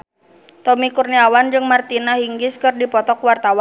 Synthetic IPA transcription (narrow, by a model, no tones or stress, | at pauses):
t̪ɔmikurniawand͡ʒɨŋmart̪inaɦiŋɡɪskɨrdipɔt̪ɔkwart̪awan